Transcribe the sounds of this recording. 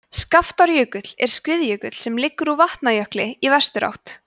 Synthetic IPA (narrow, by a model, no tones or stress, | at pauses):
skaft̪aɾjœːkʏt̪l̥ɛ̰ɾ̥skvɪðjœːkʏt̪l̥sɛmlɪkːʏɾuvaht̪najœhklɪivɛr̥st̪ʏɾa̰wht̪